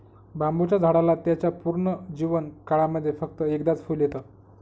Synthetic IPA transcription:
bambut͡ɕjad͡zʱaɽalat̪jat͡ɕjapuɾɳəd͡ʑiʋənkaɭaməd̪ʱːjefək̚t̪əekd̪at͡sfuːljet̪ə

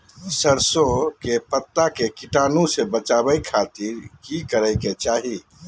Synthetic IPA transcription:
səɾsokepət̪ːakekiʈaːnusebət͡ʃabəjkʰat̪iɾkikəɾəɪket͡ʃaːɦi

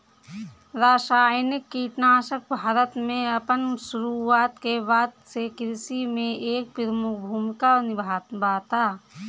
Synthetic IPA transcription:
ɾaːsaːjnɪkːiːʈnaːʃək̚bʱaːɾət̪mẽɐpənsʊɾuaːt̪kebaːd̪sekɾɪsimẽʔeːk̚pɪɾmʊk̚bʱuːmɪkanɪbʱaːt̪bʱaːt̪aː

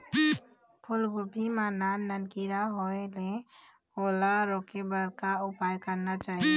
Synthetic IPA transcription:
pʰulɡopimananənkiɾaɦoele | kolaɾokebəɾkaupajkəɾnat͡ʃaɦi

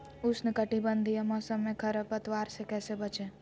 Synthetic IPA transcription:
ʊsnɪkəʈibə̃nd̪ʱijəmɔːsəmːẽkʰɐɾəpət̪ʋaːɾsekɛːsebɐt͡ʃẽ

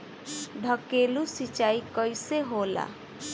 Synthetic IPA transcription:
ɖʱəkelusit͡ʃaikɔjseɦola̰

